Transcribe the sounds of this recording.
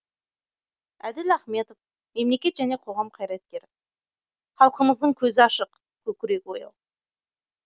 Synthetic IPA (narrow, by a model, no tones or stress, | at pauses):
æd̪ɪlæχme̞t̪of | me̞mle̞kʲe̞t̪ʒæne̞qʰo̞ʁɑmqʰɑjɾɑt̪kʲe̞ɾɪ | χɑlˠqəməzd̪əɴkʲʰɵzɪɑʃəq | kʲʰɵkʲɪɾe̞kʲwojɑ̰lˠ